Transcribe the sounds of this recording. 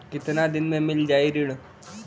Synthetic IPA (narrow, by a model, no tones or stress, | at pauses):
kɪt̪nad̪ɪnmẽmɪld͡ʒaːiɾɪɽ